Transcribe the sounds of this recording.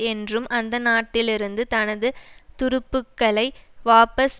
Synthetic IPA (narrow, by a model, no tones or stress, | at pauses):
ɛndrɯmɐnd̪ɐnaːʈːɪlɪɾɯnd̪ɯt̪ɐnɐðɯt̪ʊɾʊpːɯkːɐɭɐɪʋaːpɐs